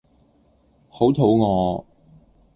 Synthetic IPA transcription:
ho˨˥wt̪ʰo˨˥wŋɔː˨˧

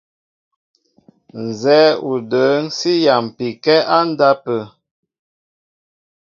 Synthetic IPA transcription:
n˨zɛː˨˦u˨də˨˦n̩˦si˦ja˨m˨pi˨kɛ˦a˦n˦da˦pə˨

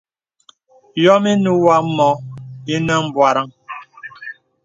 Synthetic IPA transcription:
jɔ˦mi˦nu˦wa˦mɔ˨˦i˦nə˦m̩˦bwa˨ɾa˦ŋ

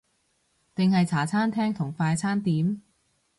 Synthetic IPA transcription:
t̪ɪ˨ŋhɐ˨jt͡sʰaː˨˩t͡sʰaː˥nt̪ʰɛː˥ŋt̪ʰʊ˨˩ŋfaː˧jt͡sʰaː˥nt̪iː˨˥m

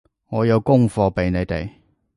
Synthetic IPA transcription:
ŋɔː˨˧jɐ˨˧wkʊ˥ŋfɔː˧pe˨jne˨˧jt̪e˨˩j

